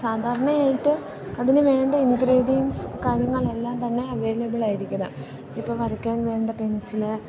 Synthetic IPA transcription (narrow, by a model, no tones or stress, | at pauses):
saːd̪ʱaːɾɐɳɐaːjiʈːɨ | ɐðinɨʋe̞ːɳɖɐiŋɡɾiːɖijɐnsɨkaːɾjɐŋːɐɭelːaːmt̪ɐnːe̞ɐʋeːlɐbiɭaːjiɾikʲːɐɽɐ̰m | ipːoːʋɐɾɐkʲːaːɳʋe̞ːɳɖɐpe̞nsilɨ